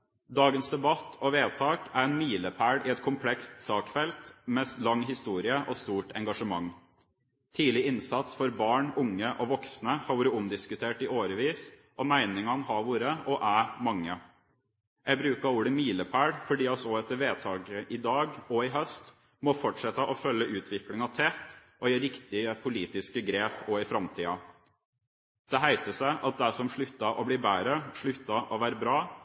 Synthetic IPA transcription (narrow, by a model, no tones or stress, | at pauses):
d̪ɑːɡənsd̪ɛbɑt̪ʰɔʋeːt̪ʰɑːkæɾɛnmiːləpʰæːɽɪːɛt̪kʰʊmpʰlɛkst̪sɑːkfɛlt̪mɛst̪lɑŋɦɪst̪uːɾɪəʔɔst̪uːʈɛŋɡɑʂəmɑŋ | t̪ʰiːlɪɪnsɑt̪sfɔɾbɑːɳʊŋːəʔɔʋɔksnəhɑɾʋuːɾəʊmd̪ɪskʉt̪ʰeːʈɪːʔoːɾəʋiːsʔɔmæɪnɪŋɑnhɑɾʋuːɾəʔɔʔæmɑŋːə | jæɡbɾʉːkɑuːɽəmiːləpʰæːɽfɔɖiːɑsɔːɛt̪ːəʋeːt̪ʰɑːɡəʔɪd̪ɑːɡɔɪɦœst̪ | mɔfɔʈʂɛt̪ːɑʔɔfœlːəʔʉːt̪ʰʋɪklɪŋɑt̪ʰɛt̪ʔɔjæɾɪkt̪ɪəpʰʊliːt̪ɪskəɡɾeːpɔɪfɾɑmt̪ʰiːɑ | d̪̥ɛɦæɪt̪əsæɪʔɑt̪̚d̪æsɔmʂɭʉt̪ːɑʔɔbliːbæːɾəʂɭʉt̪ːɑʔɔʋæːɾəbɾɑː